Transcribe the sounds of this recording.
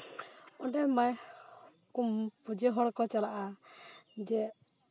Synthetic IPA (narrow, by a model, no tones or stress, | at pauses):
ɔɖɛmaj | kumpud͡ʒeɦɔɽkɔt͡ʃalaʔa | d͡ʒɛ